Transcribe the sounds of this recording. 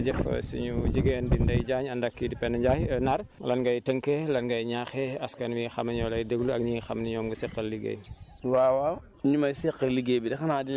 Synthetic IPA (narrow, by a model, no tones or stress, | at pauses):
d͡ʒɛfɐ̰sṵɲuɟiɡeːndindɐjɟaːɲɐndɐkːidipɛnɐɟaːhnɐɾlɐnɡɐjtəŋkɛlɐnɡɐjɲaxɛɐskɐnmixɐmɐɲɔːlɐjdəɡluɐk̚ɲiːxɐmniɲɔːmɡusɛqːɐlːiɡḛj | wawa | ɲumɐjsɛqːəlːiɡebidɛxɐnadi